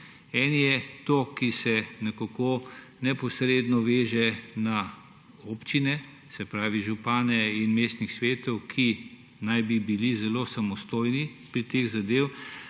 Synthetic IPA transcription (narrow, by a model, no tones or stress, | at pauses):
ɛːnijɛt̪okisɛnɛkokonɛpɔsɾeːd̪nɔʋeːʒɛna | oːpt͡ʃinɛ | sɛpɾaːʋiʒupaːnɛinmeːst̪nixsʋeːt̪ɔwkʰi | najbibilizɛloːsamɔst̪oːjnipɾit̪eːɣzad̪eːw